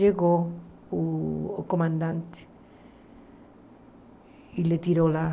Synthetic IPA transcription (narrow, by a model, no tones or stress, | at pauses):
eɣo | okomãnd̪ant̪ | ilet̪iɾola